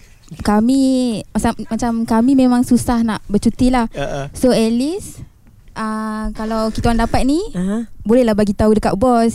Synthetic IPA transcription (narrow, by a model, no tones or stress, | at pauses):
kamĩmasamat͡ʃamkamĩmemãŋsusahnaʔbət͡ʃut̪ilahsoɛlis | ʔəkalawkit̪aandapat̪̚nibolɛhlahbaɡit̪audəkat̪̚bɔs